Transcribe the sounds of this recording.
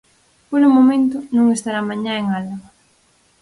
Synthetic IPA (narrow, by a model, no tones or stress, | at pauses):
poɾʊmomẽnt̪ʊnũŋest̪aɾamãɲãeŋalaɣ